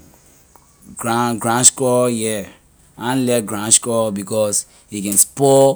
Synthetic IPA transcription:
ɡaɡɹãnʃkɔjɛ | ãnlɛt̚ɡɹãnʃkɔbikɔs | hikɛ̃nspɔ

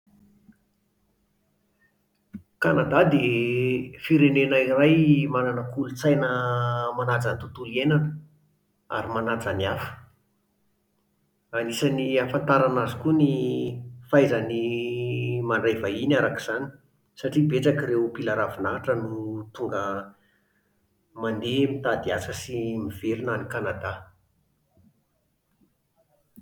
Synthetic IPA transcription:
kanad̪ad̪e | fiɾenenairajmananəkulut͡sajnəmanad͡zant̪ut̪ulienanə | a̰ɾimanad͡zaniafə̥ | anisaniafant̪aɾanazikuni | fajzani | maɳɖ͡ʐavainaɾakiz̥ani̥ | saʈ͡ʂibet͡sakiɾeupilaɾavunaaʈ͡ʂənut̪uŋɡə | mand̪emit̪ad̪iasəsimiv̥eɾinanikanad̪a

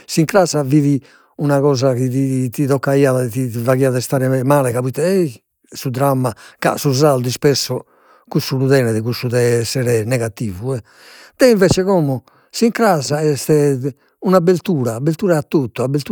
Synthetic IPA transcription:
siŋkɾaːzaviːði | unaɣɔːzakiðit̪iðɔkːaiːaðɛt̪ivaɣiːaðɛst̪aːɾɛmaːlɛkaβut̪ːɛɛi | sud̪ɾamːaka̰suzald̪ispɛsːɔ | kusːuluðɛːnɛðɛɣusːuðɛɛsːɛɾɛnɛɣat̪iːvuɛ | d̪̥ɛiɱvɛːt͡ʃɛɣɔmɔ | siŋkɾazaɛst̪ɛ | unabeɾt̪uːɾaːbːeɾt̪uːɾaat̪ːot̪ːɔabeɾt̪u

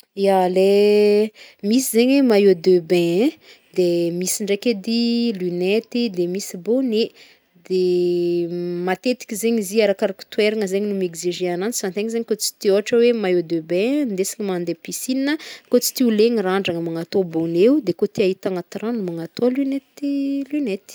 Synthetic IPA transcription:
jale | misizeɲemajod̪øbɛ̃ | d̪emisiɳɖ͡ʐeked̪ilynet̪id̪emisibone | d̪̥e | mat̪et̪i̥kʲizeɲiziaɾakaɾaku̥t̪weɾaŋəzeɲinumekziʒẽananit͡si̥fant̪eŋzeɲikot͡si̥t̪ioaʈ͡ʂəwemajod̪øbɛ̃nd̪esi̥ɲimand̪episininəkot͡si̥t̪iuleŋiɾaɳɖ͡ʐaŋəmaŋat̪obonewd̪ekot̪iaɦit̪aŋat̪iɾanumaŋat̪olynet̪ilynet̪i̥

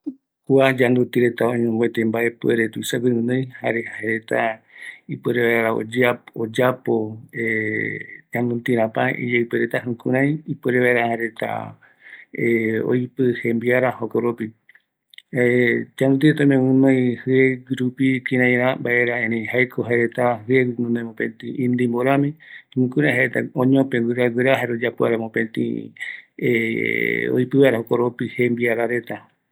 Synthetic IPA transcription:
kuad͡ʒand̪ut̪iɾe̞t̪aõɲõŋɡwet̪embae̞pweɾet̪uisaɡiɾɨ̃nõjhaɾehaeɾet̪a | ipeɾeβaeɾeɾao̰d͡ʒaod͡ʒapoe | d͡ʒand̪ut̪iɾãpaḭd͡ʒaipeɾet̪aɦɨ̃kuɾ̃ãj̃ipɨɾeβaeɾahaɾe̞t̪a̰ | eo̰jpɨhẽmbiaɾahokoɾopi | t͡ʃaɾũt̪iet̪õmẽwɨ̃mãjhɨeɡɾupikĩɾãj̃ɾambaʔeɾaẽɾẽhajkʰoɦaeɾet̪ahɨeɡnũnemõpẽnt̪ĩĩnd̪imboɾãmĩhũkũɾ̃ãj̃ɦaɾet̪aõɲõpẽɡʷiɾaɡʷeɾaɦaeɾod͡ʒapoa̰ɾamõpẽnt̪ḭ̃ | e | o̰jpɨβaeɾahokoɾopihembiaɾaɾe̞t̪a

